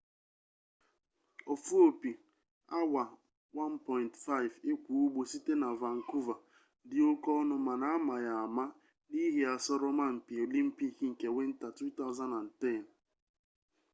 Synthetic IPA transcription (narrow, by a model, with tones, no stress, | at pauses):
o˨fu˦o˨pi˨ | a˦wa˨ | wa˦npɔ˨ɪ˨ntfa˦ɪ˨ve˦kʷu˨u˦ɡ͡bo˨si˦te˦na˨va˨ŋ̩˨ku˦va˨ | dɪ˦o˦kɔ˦nʊ˦ma˨na˨a˦ma˨ja˨a˨ma˦ | ni˦ɦi˨a˨sɔ˦ɾɔ˦ma˦m̩˨pi˨o˨li˦m̩˦pi˦kŋ̩˨ke˨we˦n̩˦ta˨tɾu˦ta˦ʊ˦za˦na˨n̩˨tɛ˦˨n˨